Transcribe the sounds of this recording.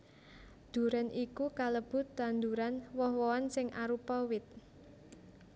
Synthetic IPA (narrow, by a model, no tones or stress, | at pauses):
d̪̥ṳɾanʔikukaləb̥ʊ̤t̪̚d̪and̪uɾanwɔhwɔansɪŋʔaɾupɔwɪt̪̚